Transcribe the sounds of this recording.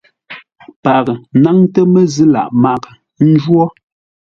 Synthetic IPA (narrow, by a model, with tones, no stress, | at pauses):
pa˨kna˦ŋtə˦mɛ˦zɨ˦la̰˨ʔma˦k | n̩˦d͡ʒwɔ˦